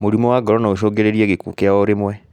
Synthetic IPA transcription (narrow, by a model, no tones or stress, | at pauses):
moɾimɔwaɡɔɾɔnaoʃoːɡeɾeɾieɣekṵːkeaɔɾemwɛ